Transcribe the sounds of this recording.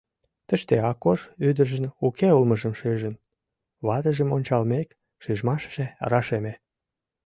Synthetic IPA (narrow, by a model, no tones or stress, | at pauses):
t̪əʃt̪eɑkːoʃyd̪əʒə̆nukeulməʒəmʃyʒən | βɑt̪əʒəmonʲt͡ɕɑlmek | ʃyʒmɑʃə̥ʒ̥eɑ̰ɾɑʃeme